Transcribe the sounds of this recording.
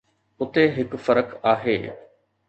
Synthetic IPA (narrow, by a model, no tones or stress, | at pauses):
ʊt̪eɦɪkfɐɾəkaːɦḛː